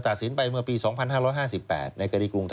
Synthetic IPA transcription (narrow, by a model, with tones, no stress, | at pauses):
t̪a˨˩t̪̚si˩˦npa˧jmɯ˥˩ɐpiː˧sɔː˩˦ŋpʰa˧nɦaː˥˩ɾɔː˦˥jɦaː˥˩si˨˩pːɛ̰ː˨˩t̪̚na˧jka˧iː˧˩kɾu˧ŋt̪ʰ